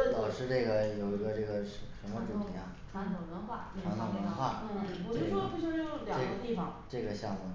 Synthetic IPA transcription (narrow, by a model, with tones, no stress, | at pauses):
ɔ˨˩ʂɻ̩˥˧ʈ͡ʂɤ˥˩ɡə˩jo˨˩ʊi˧˥ɡə˧ʈ͡ʂɤ˥˩ɡə˩ʂʂə˧˥nmə˧ʈ͡ʂɻ̩ʰ˥˩i˧˩˥ja˧˩ʈ͡ʂʰa˥ŋo˧˩nɤ˧˥ŋba˨˩˦ʈ͡ʂʰɑ˧˥t̪ʰɑ˥˩ŋə˧˥n˧˥wa˥˩˥ɔ˧˩˥i˥ɔ˥pu˥˩ʂɔ˥˩jljɑ˨˩˥ŋɡə˦t̪i˥˩fɑ˨˩ŋʈ͡ʂɤ˥˩ɡə˩ɕjɑ˥˧ŋmu˧˩